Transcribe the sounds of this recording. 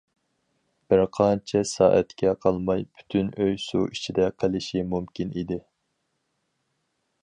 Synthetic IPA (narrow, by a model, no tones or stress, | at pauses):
b̥ɪɾqʰɑnt͡ʃʰɛsɑ̰ːʔɛt̪kʲʰɛqʰɑlˠmɑjpʰy̥t̪ʰynøjsṵʔit͡ʃʰid̪ɛqʰəlɪʃimumkʲinid̪ɪ